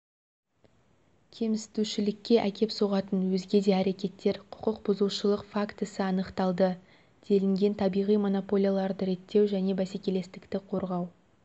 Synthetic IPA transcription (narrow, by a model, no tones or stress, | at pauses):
kʲʰe̞mɪst̪uʃɪlɪkʲːe̞ʔækʲe̞pso̞ʁɑt̪ənwɵzɡʲe̞d̪e̞æɾe̞kʲe̞t̪ːe̞ɾqʰʊ̥qəq̚bʊzəlˠʃəlˠəqfakt̪əsəɑnəqt̪ɑlˠd̪ə | d̪̥e̞lɪŋɡʲe̞nt̪ʰɑbijʁijmo̞no̞po̞lʲijalˠɑɾd̪əɾe̞t̪ʰːe̞wʒæne̞bæsekʲe̞le̞st̪ɪkt̪ɪqʰo̞ɾʁɑw